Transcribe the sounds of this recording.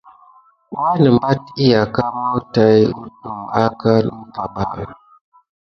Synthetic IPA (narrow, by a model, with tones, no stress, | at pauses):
wa˦nə˨m˨ba˦t̚i˦ja˨ka˦ma˦wta˨ju˦du˨ma˦ka˦nu˦pa˨ba̰˦˨